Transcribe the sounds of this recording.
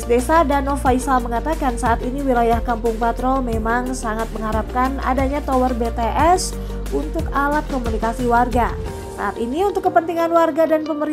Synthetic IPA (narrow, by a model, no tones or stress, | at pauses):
sdesadanɔfaisaməŋat̪akansaːt̪iniwilajahkampʊŋpat̪ɾɔlmemaŋsaŋat̪̚məŋɦaɾap̚kana̰daɲat̪owərbet̪eʔɛs | unt̪ʊkalat̪̚komunikasiwarɡa | sa̰ʔat̪iniunt̪ʊkːəpənt̪iŋanwarɡadanpəməɾi